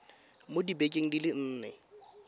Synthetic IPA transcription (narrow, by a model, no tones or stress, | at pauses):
modibekʼeŋ̩dilɪn̩ːnɛ